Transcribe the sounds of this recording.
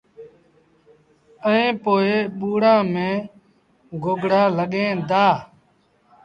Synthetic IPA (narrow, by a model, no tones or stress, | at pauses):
əẽːpoːeːɓuːɽãːmẽː | ɡoːɡɽaːləɠẽːd̪aː